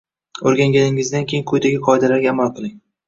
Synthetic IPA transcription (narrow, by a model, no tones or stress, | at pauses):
oɾɡʲaŋɡʲanɪŋɪzd̪ankʲʰejɪnkʰɵjd̪aɡʲɪqʰɒɪd̪alaɾɡʲaːmalˠqʰɨlˠɪŋ